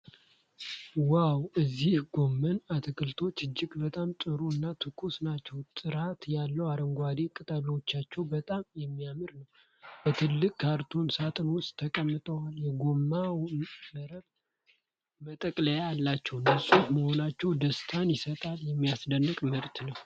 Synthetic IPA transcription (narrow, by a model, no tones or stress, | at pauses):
wawɨzːihɡo̞mːənat̪ʰɨkʰɨlt̪ʰo̞t͡ʃːɨd͡ʒːɪɡbət̪ʼamt̪ʼɨɾuɨnːat̪ʰɨkʰusnat͡ʃːɛwt̪ʼɨɾat̪jalːəwaɾəŋɡʷwad̪e̞kʼɨt̪ʼələwot͡ʃːat͡ʃːɛwbət̪ʼamjɛmːijamɨɾnəw | bət̪ʰɨlːɨkʼkʰːaɾt̪ʰonsat̪ʼɨnwʊstt̪ʰəkʼəmːɨt̪ʼəwaljɛɡo̞mːaməɾəβ | mət̪ʼəkʼləjaalːat͡ʃːɛwɨnːəsuhməho̞nat͡ʃːɛwd̪əst̪ʰanjɪsət̪ʼaljɛmːijasd̪ənːɨkʼməɾt̪ʰnəw